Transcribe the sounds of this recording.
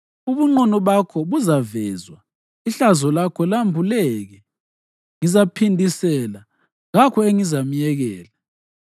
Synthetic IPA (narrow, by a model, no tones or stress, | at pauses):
uβuŋ͡ǃɔnɔβakʰɔβuzavɛzwa | iɬazɔlakʰɔlambʱulɛɣɛ | ŋizapʰindʱisɛla | ŋakʰɔeŋizam̩jɛɣɛːla